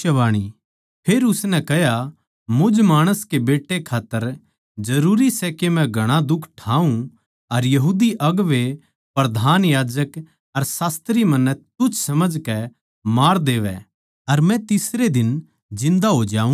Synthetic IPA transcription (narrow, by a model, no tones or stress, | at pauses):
ɐʋaːɽ̃i | pʰeːɾʊsnɛ̃kɛɦja | mʊd͡ʒmaːɽ̃əskebeːʈːekʰaːt̪ːəɾ | d͡ʒɐɾuːɾisɛkemɛ̃ɡʱɐɽ̃ãd̪ʊkʰːʈʰaːũ | ɐɾjɐɦuːd̪iʔɐɡʋe | pɾɐd̪ʱaːnjaːd͡ʒək | ɐɾsaːst̪ɾimɐ̃nːɛ̃t̪ʊt͡ʃʰsɐməd͡ʒkɛ | maːɾd̪eːʋɛ̰ | ɐɾmɛ̃t̪ɪsɾed̪ɪn | d͡ʒɪ̃nd̪aɦod͡ʒaːũ